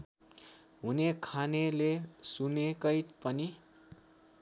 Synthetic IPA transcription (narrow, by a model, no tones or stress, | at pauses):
ɦunekʰanelesunekʌjpʌni